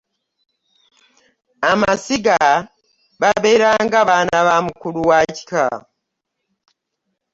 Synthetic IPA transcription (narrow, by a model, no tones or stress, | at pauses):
amasiɡa | βaβe̞ːɾaŋɡaβanaβamukuluwaci̥ka̰